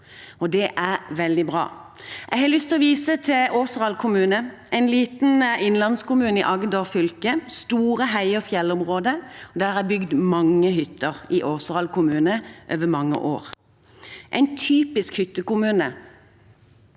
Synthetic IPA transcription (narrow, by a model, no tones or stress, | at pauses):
ɔd̪ɛʔæʁʋɛld̪ɪbʁɑ̰ːɛɡhɑːlʏst̪ɪlɔʋiːsət̪ʰɪʔoːsʁɑlkʰʊmʉːnə | æɪnliːt̪n̩ɪnlɑnskʊmʉːnəɪ̰ʔɑɡd̪oːfʏlkəst̪uːʁəɦæɪɔfjɛlɔmʁoːd̪əɔd̪æːʁæbʏɡd̪mɑŋːəɦʏt̪ːəʁɪʔoːsʁɑlkʊmʉːnəʔøːʋəmɑŋːə̰ʔoːʁ | ʔæ̰ɪnt̪ʰyːpɪskhʏt̪ːəkʊmʉːnə